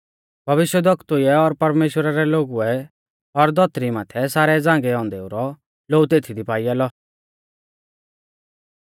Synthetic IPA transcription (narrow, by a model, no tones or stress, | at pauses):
b̥ʱɐʋɪʃjəd̪ɔkt̪uɛɔɾpɐɾmeːʃwɾaɾɛloːɡuɛ | ɔɾd̪ɔt̪ɾimaːt̪ʰɛsaːɾɛd͡zãːŋɡɛɔ̃ːnd̪ɛuɾɔ | loːut̪eːt̪ʰid̪ipaːɪjaːlɔ